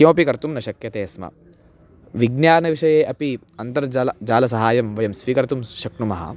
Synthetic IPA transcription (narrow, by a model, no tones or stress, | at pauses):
jɐ̃ɐpikɐɾt̪umnɐʃɐkjɐt̪eːsmɐ̰ | ʋiɡnjaːnɐʋiʂɐjeːʔɐpi | ɐnt̪ɐɾd͡ʒɐlɐd͡ʒaːlɐs̬ɐɦaːjɐmʋɐjɐmsʋikɐɾt̪umʃɐknumɐɦɐ̰